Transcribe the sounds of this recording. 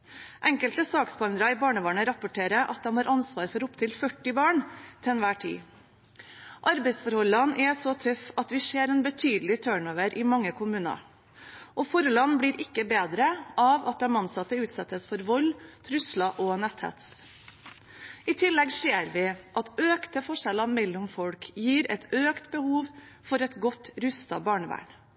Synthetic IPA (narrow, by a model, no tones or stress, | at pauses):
ʔɛŋkəlt̪əsɑːksbɑnd̪ɾɑɪbɑːɳəʋɑːɳəɾɑpʊʈʰeːɾəʔɑt̪̚d̪ɛmhɑːɾʔɑnsʋɑːɾfɔɾʊpt̪ʰɪlfœʈːɪbɑːɳt̪ʰɛnʋæːʈʰḭː | ʔɑɾbɛɪsfɔɾhɔlːɑnʔɛsɔt̪ʰœfɑt̪ʋɪseːɾɛːnbət̪ʰyːd̪əlɪt̪ʰøːɳoːʋəɾʔɪmɑŋːəkʰʊmʉːnɑ̰ | ʔɔfɔɾəlɑnbliːɾʔɪkːəbeːd̪ɾəʔɑʋɑt̪̚d̪ɛmɑnsɑt̪ːəʉːt̪sɛt̪ːəsfɔɾʋɔlt̪ʰɾʉslɑʔɔnɛt̪hæ̰t̪s | ɪt̪ʰɪlːɛɡseːɾʋɪʔɑt̪øːkt̪əfɔʂɛlɑmɛlːʊmfɔlkjiːɾɛ̰t̪øːkt̪bəhuːʋ | fɔɾɛt̪ɡɔt̪ɾʉst̪ɑbɑːɳəʋæ̰ːɳ